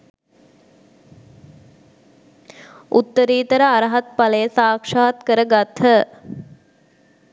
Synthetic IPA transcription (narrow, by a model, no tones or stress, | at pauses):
ʔut̪ːəɾiːt̪əɾəaɾɐɦat̪̚palejsaːkʂaːat̪kəɾəɡat̪ʰhə